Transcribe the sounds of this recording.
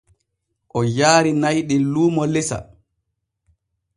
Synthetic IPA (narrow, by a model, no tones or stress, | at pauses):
ʔɔjaːɾinajɗɛnluːmɔlɛsa̰